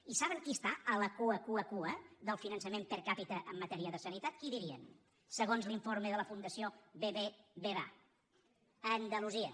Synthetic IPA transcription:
isaβəŋkiəst̪aələkuəkuəkuəðəlˠfinənsəmempəɾkapit̪əʔəmːət̪ɛɾiəðəsənit̪at̪kiðiɾiən | səɣonzliɱfoɾmeðələfund̪əsioβeβeβeβa̰ | ənd̪əluziə

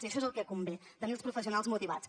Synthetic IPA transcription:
iəʃɔezəlˠkɛkumbet̪əmelspɾufəsiunalˠzmut̪iβat͡s

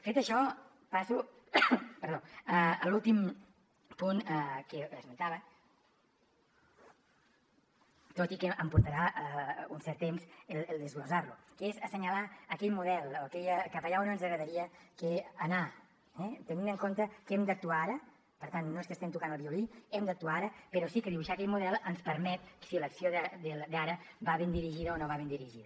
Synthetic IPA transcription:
fet̪əʃɔ | pasu | pəɾðoəəlulˠt̪im | punkəəzmənt̪aβə | t̪ot̪ikəʔəmpuɾt̪əɾaʔəunsɛɾt̪emzelelˠd̪əzɣluzarlukezəsəɲəlaəːkɛʎmuðɛlˠokɛʎəkapɐʎaonənzəɣɾəðəɾiəkeəna | ɛt̪ənĩnəŋkont̪əkɛmd̪ək̚t̪uaaɾə | pəɾt̪annoeskəst̪ɛmt̪ukanəlˠβiuliɛmd̪ək̚t̪uaaɾəpəɾɔsikəðiβuʃaːkɛʎmuðɛlˠənspəɾmɛt̪̚siləksioðəd̪əld̪aɾəbaβend̪iɾiʒiðəonoβaβend̪iɾiʒiðə

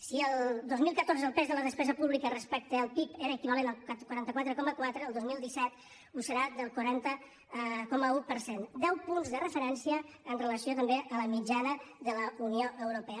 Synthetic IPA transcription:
siəlˠd̪ozmilˠkət̪oɾzəːlˠpɛzðələðəspɛzəpuβlikərəspɛk̚t̪əːlˠpipeɾəːkiβalenəlˠkwɾant̪əkwat̪ɾəkɔməkwat̪ɾəːlˠd̪ozmilˠd̪isɛt̪ | usəɾad̪əlˠkwəɾant̪ə | kɔməupəɾsend̪ɛwpunzðərəfəɾɛnsiəː | nrələsiot̪əmbeʔələmid͡ʒanəðələunioʔəwɾupɛə

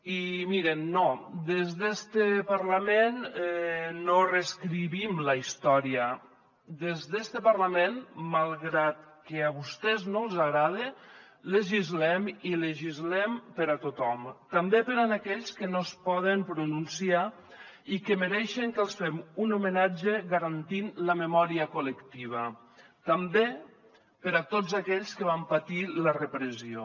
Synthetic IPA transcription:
imiɾenːod̪ezðest̪epaɾlamenː | oreskɾiβimləist̪ɔɾiə | d̪ezðest̪əpaɾlamenmalˠɣɾat̪keaβust̪ɛznolˠzaɣɾað̞e | leʒizlɛmileʒizlɛmpəɾat̪ot̪ɔmt̪ambepəɾanakɛʎskənospɔðəmpɾununsia | ikəməɾɛʃeŋkəlˠsfɛmunumenad͡ʒeɣaɾant̪inləməmɔɾiəkuləkt̪iβ̞ə | t̪ambe | pəɾat̪ozakɛʎskəβampat̪ilərəpɾəzio̰

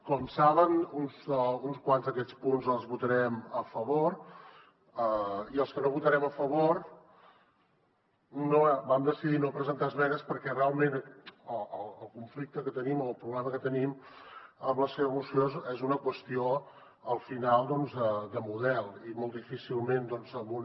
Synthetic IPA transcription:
kɔmsaβənunzunskwanzðəkɛt͡spunzəlˠzβut̪əɾɛməfəβoɾ | əiəlˠskənoβut̪əɾɛməfəβ̞oɾ | nobamd̪əsiðinopɾəzənt̪aəzβɛnəspəɾkɛrealˠmenəəlˠəlˠkuɱflik̚t̪əkət̪ənimolˠpɾuβlɛməkət̪ənim | əmləseβəmusiozɛzunəkwəst̪io | əlˠfinalˠd̪ɔnzðəd̪əmuðɛlˠimolˠtd̪ifisilˠmend̪ɔnzəmun

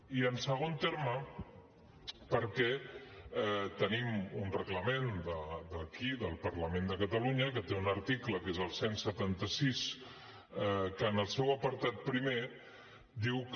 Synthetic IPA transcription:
iənsəɣ̞ont̪eɾmə | pəɾkɛ | ɛt̪ənimunrəɣləmend̪əd̪əkiðəlˠpɐɾləmend̪əkət̪əluɲəkət̪eunəɾt̪ikləkezəlˠsensət̪ant̪əsis | ɛkənəlˠsɛwəpəɾt̪at̪̚pɾime | d̪iwk

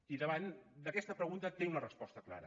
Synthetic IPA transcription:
iðəβand̪əkɛst̪əpɾəɣunt̪ət̪eŋunərəspɔst̪əkla̰ɾə̰

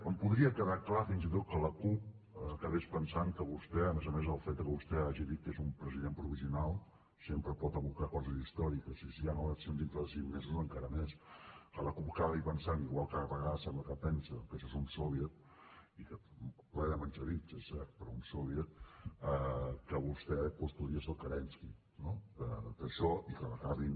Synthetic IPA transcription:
əmpuðɾiəkəðaklafinzit̪̬ot̪̚kələkup̚ːkəβespənsaŋkəβust̪ɛəmezəmezəlˠfed̪̚əkəβust̪ɛaʒiðit̪̚kːezumpɾəziðempɾuβiziunalˠ | sempɾəpɔt̪əβukakɔzəzðist̪ɔɾikəsisianoasend̪int̪ɾəðəsiŋmezuzəŋkaɾəmeskələkuβkaβəipənsaniɣwalˠkaəβəɣaðəsɛmbləkəpɛnsəkəʃɔezunsɔβjət̪̚ | ikəplɛnəment͡ʃəɾit̪səsɛɾt̪̚pəɾɔunsɔβjət̪̚əkəβust̪ɛpust̪uɾiəsəlˠkəɾɛnski | noəd̪əʃɔʔikələkaβi

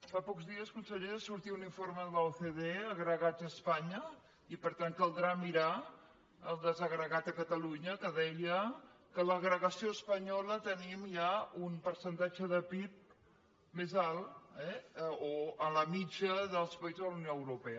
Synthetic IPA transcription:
fapɔkzðiəskunsəʎeəsuɾt̪iuniɱfoɾməðəθeðeəɣɾəɣad͡zəːspaɲə | ipəɾt̪aŋkəlˠd̪ɾamiɾa | əlˠd̪əzəɣɾəɣat̪əkət̪əluɲəkəðɛjəkələɣɾəɣəsioəspəɲɔlət̪ənimjaunpəɾsənt̪ad͡ʒəðəpip̚ | mezalˠɛoələmid͡ʒəðəlˠspəizzðələunjoəwɾupɛə

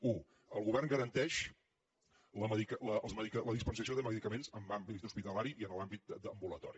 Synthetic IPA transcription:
u | əlˠɣuβɛrŋɡəɾənt̪ɛʃ | ləməðikələlˠzməðikələðispənsəsioðəməðikəmenzəmbambit̪uspit̪əlaɾiʔiənəlambit̪̚d̪əmbulət̪ɔ̰ɾi

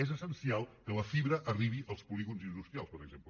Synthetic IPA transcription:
ɛzəsənsialˠkələfiβɾəʔəriβiʔəlˠspuliɣunzind̪ust̪ɾialˠspəɾəɡzemplə

